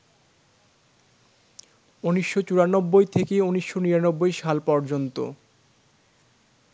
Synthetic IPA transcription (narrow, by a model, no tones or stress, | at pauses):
uniʃːot͡ɕuɾanobːojt̪ʰekeuniʃːoniɾanobːojʃalpɔɾd͡ʑont̪o̰